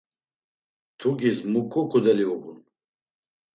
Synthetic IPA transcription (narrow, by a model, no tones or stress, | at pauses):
t̪ʰuɡismukʰʼɔkʰud̪ɛliuʁun